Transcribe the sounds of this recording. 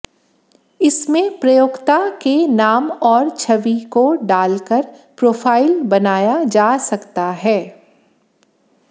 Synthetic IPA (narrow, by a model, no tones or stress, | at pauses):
ɪsmẽpɾɐjoːɡt̪akenaːmɔːɾt͡ʃʰɐʋikoɖaːlkəɾpɾoːfʰaːɪlbɐnaːjad͡ʒaːsɐkt̪aɦɛː